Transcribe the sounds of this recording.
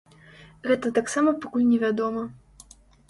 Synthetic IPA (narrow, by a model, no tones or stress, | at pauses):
ɣɛt̪ɐt̪aksamɐpakulʲnʲɛvʲad̪ɔmɐ